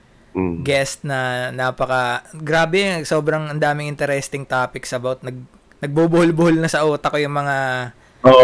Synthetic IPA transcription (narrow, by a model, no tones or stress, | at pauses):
ɡɛst̪̚nɐnaːpɐkɐɡɾaːbɛso̞ːbɾɐŋɐnd̪aːmɪŋɪnt̪ɛɾɛst̪ɪŋt̪aːpɪksɐɐbawt̪̚nɐɡ̚ | nɐɡ̚bubʊhʊlbʊhʊlnɐsɐʔuːt̪ɐkojʊŋmɐŋa | oʔ